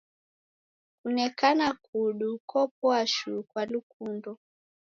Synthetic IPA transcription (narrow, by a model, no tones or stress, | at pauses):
kunɛkanakuɗukɔp̚ɔaʃukwalukundɔ